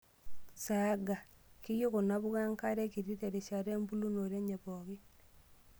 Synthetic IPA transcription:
saɡa˨ki˦jo˦ɣo˨na˦βu˦ɣa˦ŋka˦ɾe˦ki˨ɾi˦te˨ɾe˨ʃa˨ɾe˦mbu˦lu˦no˨ɾe˦ɲe˨βoɣi˦

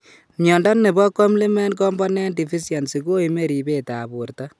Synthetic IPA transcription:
mjɔ˨nda˦nːe˨bɔ˦kɔ˦mli˦mɛ˦nk̬ɔ˦mbɔ˦nɛ˦ndi˨fi˦sja˨nsi˨ko˦ime˦ɾi˨be˦ta˨bu˨rta˦

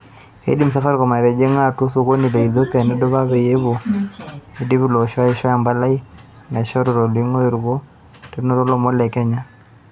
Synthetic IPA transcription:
ḛ˦di˦ms̬a˦fa˦ɾkɔ˨ma˨ɾe˨d͡ʒe˦ŋa˦˨tu˦so˦˨ko˦ni˨lo˨i˨ðo˦pa˨ne˦do˦βa˦βe˨je˦βo˨ | edi˦βu˦˨lo˨ʃɔ˦i˨ʃɔ˦ja˨mba˦la˦i˦ | na˨ʃɔ˦ɾo˨ɾo˨li˦ŋo˦e˨ɾɣo˦ | te˦no˦ɾɔ˦lo˨mo˦lɛ˨kɛ˦ɲa˦

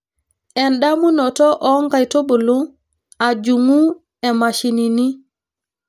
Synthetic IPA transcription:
ɛ˨nɗa˦mu˦nɔ˨tɔ˦ʔɔ˦ŋɡa˨jto˦bo˨lo˦ | a˨d͡ʒu˨ŋu˦ | e˨ma˨ʃi˨ni˨ni˦

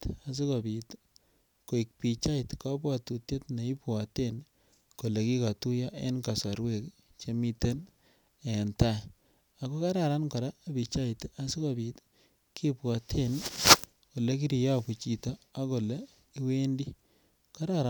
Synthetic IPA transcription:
ta˨s̬i˦ka˨bi˨t | ko˨i˨k̚pi˨t͡ʃa˦itka˦p̬wa˨tu˨tje˦tne˨i˦pwa˨ten | ko˨le˨ki˦ka˨tu˦ja˦ʔḛ˦nka˨sa˨ɾwe˦˨k | t͡ʃe˦mi˦te˦n | e˨nta˦ | a˨ko˦ka˦ɾa˨ɾa˦nkɔ˨ɾaː˦˨bi˨t͡ʃa˦ita˨si˦ka˨bi˨t | ki˦pwa˨tʰe˦n | ko˨le˦ki˦ɾi˨ja˦ku˨t͡ʃi˨tɔ˦a˦ko˨le˦ | i˦we˦ndi˦ | ka˦ɾa˦˨ɾa˨

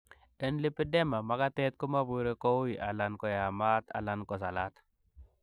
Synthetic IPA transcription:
dɛ˦nli˦pːi˦de˦ma˨ma˨ka˦te˦t̚ku˦ma˦bu˨ɾe˦ko˦wu˦ji˨ʔa̰˨la˨nkɔ˨ja˨ma˦ta̰˨la˨nkɔ˨s̬a˨la˦t

